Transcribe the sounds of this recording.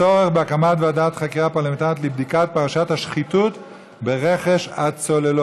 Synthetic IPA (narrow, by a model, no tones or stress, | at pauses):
o̞ʁeχbeakamatveadaat̪χakiʁapaʁlement̪aʁt̪̬libd̪ikat̚paʁaʃathaʃχitut | be̞ʁeχeʃat͡so̞lelo